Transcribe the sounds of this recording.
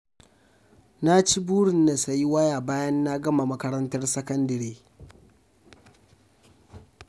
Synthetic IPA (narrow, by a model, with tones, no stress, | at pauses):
na˦t͡ʃi˦buː˦ɽɪ˨nːa˨sa˨ji˦wɐ˦jaː˨baː˦jɐ˦nːa˦ɡɐ˦ma˨mɐ˦kɐ˦ɾɐ˦ntɐ˦rsɐ˦kɐ˦ndɐ˨ɾeː˦